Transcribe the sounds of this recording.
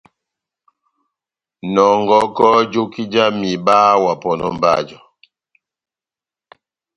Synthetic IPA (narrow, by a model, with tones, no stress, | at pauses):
nɔ˨ŋɡɔ˦kɔ˦d͡ʒo˦ki˦d͡ʒa˦mi˨ba˦wa˨pɔ˨nɔ̰˨m˦ba̰˦˨d͡ʒɔ˨